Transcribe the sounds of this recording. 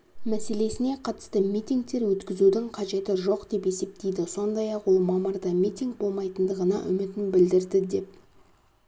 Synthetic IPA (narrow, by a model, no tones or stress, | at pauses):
mæse̞le̞sɪne̞qʰɑt̪ə̥st̪əmijt̪ʲiŋk̚t̪e̞ɾwɵt̪kʲɪzud̪ɪŋqʰɑʒe̞t̪ɪʒo̞qd̪e̞pe̞se̞p̚t̪e̞jd̪ɪso̞nd̪ɑjɑqwo̞lˠmɑməɾd̪ɑmʲit̪ʲiŋk̚bo̞lˠmɑjt̪ənd̪əʁənɑ̰ʔʏ̰mɪt̪ɪnbɪld̪ɪɾd̪ɪd̪e̞p̚